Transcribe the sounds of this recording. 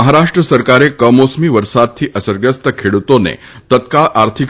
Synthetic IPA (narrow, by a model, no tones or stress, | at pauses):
əɦaɾaʂʈɾəsəɾkaɾekəmosmiːʋəɾsat̪̚t̪ʰːiːʔəsəɾɡɾəst̪əkʰeɭut̪onḛt̪ət̪kaɭʔaɾt̪ʰik